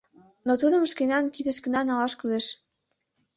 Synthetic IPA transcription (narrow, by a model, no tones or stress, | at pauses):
not̪ud̪ə̆məʃkenɑnkid̪ə̆ʃkə̆nɑnɑlɑʃkyleʃ